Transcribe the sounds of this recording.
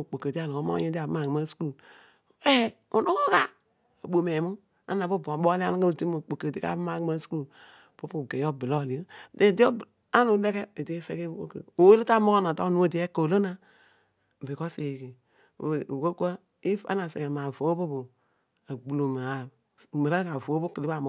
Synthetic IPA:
o˨k͡po˨kə˨di˦a˦˨lo˨o˦o̰˦je˦di˦a˨bma˨ɡma˦su̥˦ku˦˨ | e˦u˨no˦ko˦ka˦ | o̰˨ɓo˨me˨mu˦ | a̰˦na˨bo˦˨bo˨ɓo˦li˦a˦n˦ka˦˨ti˦mo˨k͡po˨kə˨di˦ka̰˦bma˨ɡma˦su̥˦ku˦ | po˦pu˨ɡe˨˦o˦bi˨lo˦˨li˨˦˨de˨di˦o˦ | a˦nu˨˦le˦ke˦e˨de˦sḛ˦ke˦o̰˦ko˨we˦li˦ta˦mo˦ko˦na˨ta˦nu˦o˦˨di˨˦e˦ko˨lo˦na˦˨ | bi˨ko˦se˨kḭ˨ | u˨wo˦kʷə˦ | i˦fa̰˦na˨sḛ˨ɡe˨ma˨vo˨˦bu˦bu˨ | a˨ɡ͡bu˨lo˨ma˨a˨ | mə˨ɾa˦ka˨vo˨˦bu˦ki˨li˦ba˨m˦

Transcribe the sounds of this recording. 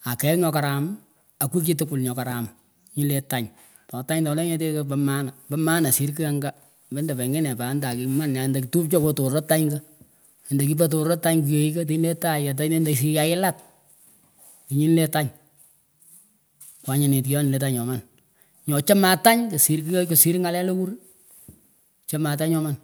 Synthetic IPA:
a˨kɛ˨ɲɔ˧ka˨ɾa˨m | a˨ku˦ki˦tʊ˦kʊ˨lɲɔ˨ka˨ɾa˨ma | ɲi˦le˦ta˦ɲ | tɔ˨ta˦ɲtɔ˨˦lɛ˦ɲe˦t̬e˦ke˦pɛ˦ma˦na˨bɛ˦ma˦na˨si˦ɾki˦a˦ŋɡa˦ | bɛ˦ndɛ˨pɛ˨ŋɡe˦nɛ˨pa˨˦nda˨ki˨˧ma˦nja˨nda˨kitu˦pt͡ʃɔ˦ko˦to˨ɾo˦tːa˦ɲɡə˦˨ | nda˨ki˦pa˦t̬o˨ɾɾo˦tːa˦ɲku˨je˨i˦ke˦t̬i˨ɲ˦le˦ta˦ja˨t̬a˦ne˦nda˨s̬i˦ja˨˦ɪ˦la˦t | ti˨ɲi˦nle˦ta˦ɲ | kwa˨˦ɲa˨nɪ˨tki˦jɔ˦nɪ˨le˦ta˦ɲɔ˨ma˨n | ɲɔ˨t͡ʃa˦ma˨ta˦ɲko˨si˨ɾk̬i˦ko˨si˦ɾŋa˨lɛ˦lo˦ku˦ɾ | t͡ʃe˦ma˨t̬a˦ɲɔ˦ma˦˨n

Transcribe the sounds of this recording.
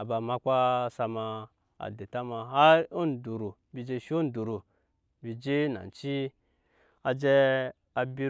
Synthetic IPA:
a˨ba˨ma˦kʷa˦sa˧ma˧ | a̰˨de˨ta˦ma˨ɦa˦o˦ndu˨ɾu˨ | bi˨d͡ʒe˧ʃo˦n˦du˨ɾu˨ | bi˨d͡ʒe˦na̰˨n˨t͡ʃi˦ | a˨d͡ʒe˧ | a˨bi˦˧

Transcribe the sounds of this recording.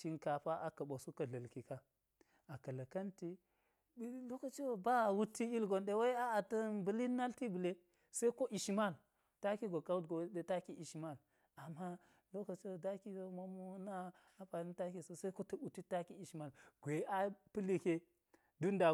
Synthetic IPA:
t͡ʃi˦nka˨pa˦ʔa˨kɐ˨ɓa˨su˦kɐ˨ɮɐ˨lki˨ka˦ | a˨kɐ˨lɐ˨kɐ˦nti˦ | lo˦ka˨t͡ʃe˦wba˦˨wu˦tːi˦i˦lɡo˨nɗe˦wa˦i˦a˦a˨tɐ˦bu˨li˦na˦lti˦bu˨le˦ | sa˦i˦ko˦ʔi˨ʃma˦˨l | ta˦ki˦ɡo˨ka˦u˦tɡo˨˦e˦ta˦ki˦ʔi˨ʃma˦˨l | a˨mːa˦ | lo˦ka˨t͡ʃe˦˨da˦ki˦ɡo˦mo˦mo˦na˦ | a˦pa˨ni˦ta˦ki˨so˦sa˦ko˦tɐ˦u˨ti˦ta˦ki˦i˨ʃma˦˨lɡ̥ʷe˨a˦pi˦li˨kʲe˦ | du˦nda˨

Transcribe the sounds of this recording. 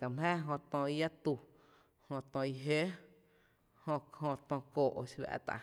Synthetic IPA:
ka˨mhɛ̃ː˦ɦõ˧t̪ɔ̃˧i˧ja˦t̪u˧˨ | hõ˧t̪ɔ̃˧i˧ɦe˦ | hõ˧hõ˧t̪ɔ̃˧koː˨ʔo̰˧˨ʃwa̰ː˧t̪a̰˧˨

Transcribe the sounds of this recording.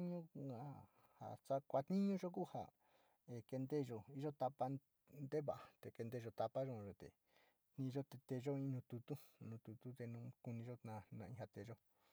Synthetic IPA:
ɲũ˦a˨ | ha̰˨t͡ʃa˦kʷa˧t̪nĩ˦ɲũ˦ʒo˦ku˦˨ha̰˨ | e˨ke˧nd̪e˦˨ʒo˧i˦ʒo˦t̪a˧pa˧ | nd̪e˦βa˨ʔa˨t̪e˨ke˧nd̪e˧ʒo˧t̪a˧pa˦ʒõ˧˨˧ʒo˧t̪ḛ˨ | nĩ˧ʒo˦t̪e˧t̪e˧ʒo˦ĩ˧˦nũ˧t̪u˧t̪u˦nũː˧t̪u˧t̪u˦t̪e˧nũ˧ku˧nĩ˧ʒo˦nã˧nã˧ĩ˧ha˧t̪e˧˨ʒo˦

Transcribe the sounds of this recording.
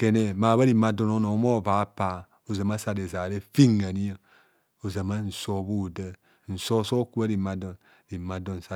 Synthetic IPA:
ke˨ne˨ma˨βa˦ɾi˨ma˨do˨no˦no˨˦mo˦˨va˨˦pa˨ | o˨za˨ma˦sa˨de˨za˨ɾe˦fi˦ŋa˨ni˦a˦ | o˨za˨ma˦n̩˨so˦βu˦˨də˦ | n̩˨so˦so˦ku˦a˦ɾi˨ma˨do˨n | ɾi˨ma˨do˨n˨sa˨˦

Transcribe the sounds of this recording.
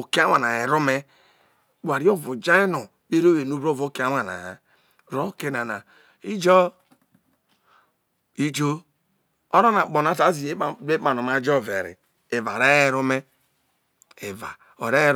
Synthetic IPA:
o˨ki˦a˦wa˨na˨je˨ɾo˦me˦ | k͡pʷa˨ɾi˦o˦vo˨d͡ʒa˦i˦no˨ | be˦ɾo˦we˨nu˦bɾo˦˨vo˦ki˦a˦wa˨na̰˨ | ɾo˦ke˦na˨na˨ | i˦d͡ʒɔ˦ | i˦d͡ʒo˦ | o˦ɾo˦na˨k͡po˨na˨˦ta˨˦zi˨e˦˨˦e˦ma˨no˨ma˨d͡ʒo˦˨vḛ˨ɾḭ˨ | e˨va̰˨ɾe˦e˦ɾo˦me˦ | e˨va̰˨ | o̰˨ɾe˦ɾ

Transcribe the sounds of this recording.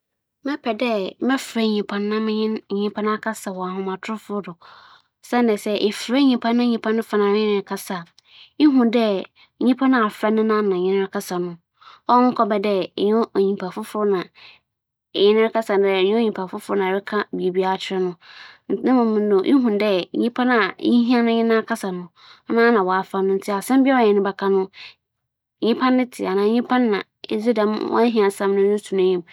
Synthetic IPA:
mɛ̃˦pʰɛ˨dɛ˦mɛ˦fɾɛ˦˨ɲĩ˨pʰã˨nː˦ã˦mɪ̃˦ɲɪ̃˦n˨ɲĩ˦pʰã˦ñ˦a˦kʰa˦sa˨wɔ˨a˨ɦʊ̃˦mã˨tʰʊ˦ʊ˦fʊ˦dʊ˨ | sɛ˦n˦nɪ̃˨sɛ˦ʔɪ˨fɾɛ˦ɲĩ˨pʰã˦nːã˦ɲĩ˨pʰã˦nʊ̃˦fa˨nã˨mɪ̃˦nɪ̃˦˨kʰa˦sa˨ | i˦ɦũ˨ndɛ˦˨ | ɲĩ˦pʰã˦nã˦a˨fɾa˦nʊ̃˦nã˦nã˨ɲɪ̃˦nɪ̃˦ɾɪ˦kʰa˦sa˨nʊ̃˦ | ɔ˦ŋ̩˦kʰɔ˦bɛ˨dɛ˦˨ɲʊ̃˦˨ɲĩ˨pʰa˨fʊ˦fnã˨ | ɲɪ̃˦nɪ̃˦ɾɪ˦kʰa˦sa˨n˦dɛ˦˨ɲũ˦o˦ɲĩ˨mpʰa˨fʊ˦fʊ˦nã˨ɪ˦kʰã˦bi˨e˨bi˦a˦˨t͡ɕʰɪ˦ɾɛ˦nʊ̃˦˨nɪ̃˦mʊ̃˨mʊ̃˨n˦no˨ʔḭ˦ɦũ˨ndɛ˦ɲĩ˦pʰã˦na˨ɲĩ˦ɦĩ˦a˦nʊ̃˦ɲɪ̃˦nã˦kʰa˦sa˨nʊ̃˨˦ | nãː˦nã˨wɔ˨a˨fɾa˦nʊ̃˦n̩˦tʰɪ˦a˨sɛ̃˦m˦bɪ˦ɛ˦ɔ˨ɛ̃˨nʊ̃˦bɛ˨kʰa˦nʊ̃˦˨ | ɲĩ˦pʰã˦nːɪ̃˦tʰɪ˨a˨nãː˨˦ɲĩ˦pʰã˦nː˦ã˨ | ḛ˦zi˦dã˨mwʔɔ̰˦ɦĩ˦a˨sã˦mnʊ̃˦ʊ̃˦su˨nã˦ɲĩ˨m

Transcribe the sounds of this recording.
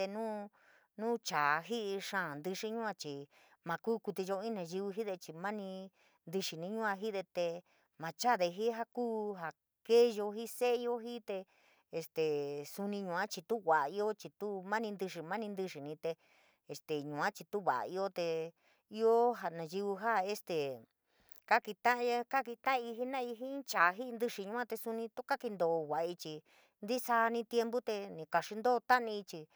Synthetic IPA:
t̪e˧nũː˦ | nũː˦t͡ʃa˨˧ɦi˦ʔi˧ʂã˦˨nd̪i˧ʂi˧ɲũ˦ã˧t͡ʃi˨ | mã˧kuː˦ku˧t̪i˧ʒo˧ĩ˦nã˧ʒi˧βi˧ɦi˦ðe˧t͡ʃi˧mã˦nĩ˧ | nd̪i˧ʂi˨nĩ˧˦ɲũ˦ã˧ɦi˦ðe˧t̪e˧ | mã˧t͡ʃa˦ðe˧ɦi˦ɦa˦kuː˦ɦa˧ | ke˦˧ʒo˧ɦi˦se˦˧jo˦ɦi˦t̪e˧ | e˧st̪e˨su˧nĩ˧ɲũ˨ã˦t͡ʃi˧t̪u˦ɣʷa˨ʔa˧i˧˦o˦t͡ʃi˧t̪u˦mã˦nĩ˧nd̪ɨ˧ʂi˧mã˦nĩ˧nd̪ɨ˧ʂi˨nĩ˧t̪e˧ | e˨st̪e˨ɲũ˨ã˦t͡ʃi˧t̪u˦βa̰˨a̰˧i˧o˦t̪e˧ | i˧˦o˦ɦa˧nã˨ʒi˧u˧ɦa˦˧e˧st̪e˨ | ka˦ki˧t̪ã˦˧˦ja˦ka˦ki˧t̪ã˦˧i˧ɦi˦nã˦˧i˧ɦĩ˦t͡ʃa˨˧ɦi˦˧nd̪ɨ˧ʂi˧ɲũ˧˦ã˦t̪e˧su˧nĩ˧t̪u˦ka˦ki˧nd̪o˨˧wʷa˨˧i˧t͡ʃi˧ | nd̪i˦sa˧nĩ˦t̪je˧mbu˦t̪e˧nĩ˧ka˨ʂi˧nd̪o˦˧t̪a˦ʔnĩ˧i˧t͡ʃi˧

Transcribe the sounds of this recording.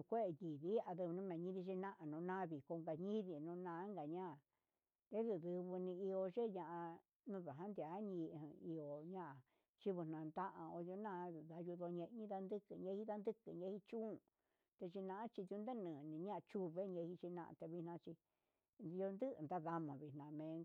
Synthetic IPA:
nũ˨˧kʷe˦e˧ji˨βi˦a˧ðɨ˧βnũ˦mẽ˨ɲĩ˦βi˧ʒe˧nã˦ʔa˧nũ˨˧˦nã˦˧βi˨ko˧ŋɡa˨ɲĩ˦βi˨nũ˧nãː˧˦ŋɡa˨ɲã˦˨ | t̪e˦ðu˧ðɨ˧βɨ˧nĩ˧i˧o˧ʒe˦ɲã˧ʔã˧ | nũ˧ða˨ɦã˦nd̪a˨˦ɲĩ˧˨ɦi˧o˧ɲã˦ʔa˨ | t͡ʃi˦βu˧˨nã˨nd̪a˦ʔã˧o˧ðjo˧nã˦˧ða˧ju˧ðo˧ɲẽ˧ʔɲĩ˦ða˧nd̪ɨ˦kɨ˧ɲẽ˧˦hi˦ða˧nd̪ɨ˦kɨ˨ɲẽ˦hi˧˦t͡ʃũ˦˨ | t̪e˧t͡ʃi˧nã˧a˦t͡ʃi˧ðu˧nd̪e˦nɨ̃ː˨nĩ˨ɲã˦ʔt͡ʃu˦βe˦ɲẽ˧hi˧t͡ʃi˧nã̰˧ʔa̰˧t̪e˧βi˧hnã˧t͡ʃi˧ | do˧nd̪ɨ˦˧nd̪a˦ða˧mã˨βi˧˨nã˧mẽ˨˧˦

